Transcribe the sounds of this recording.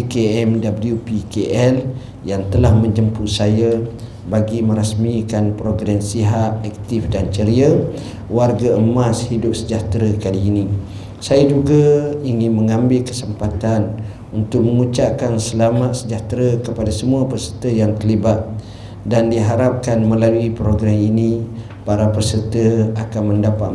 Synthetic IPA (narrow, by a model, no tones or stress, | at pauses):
ikeɛmdabəljupikeʔɛl | jaŋt̪əlahmə̃ɲd͡ʒəmpusaja | baɡimə̃ɾasmikanpɾoɡɾɛmsiɦat̪̚ɛk̚t̪ifdant͡ʃəɾiə | warɡaəmashidʊp̚səd͡ʒaht̪ɾakaliːni | sajad͡ʒuɡaiŋɪnmə̃ŋãmbɪlkə̥səmpat̪an | unt̪ʊk̚məŋut͡ʃaʔkansəlamat̪̚səd͡ʒaht̪ɾəkəpadasəmuapərsərt̪əjaŋt̪əlibat̪̚ | dandiɦaɾap̚kanmə̃laluipɾoɡɾaminĩ | paɾapəsərt̪əakanməndapa